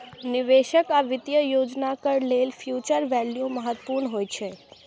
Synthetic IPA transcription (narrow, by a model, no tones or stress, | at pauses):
nɪʋeʃəkaʋɪt̪jəjod͡ʒnakəɾlelfʰjut͡ʃəɾʋɛljuməɦət̪puɾɳɦojt͡ʃʰe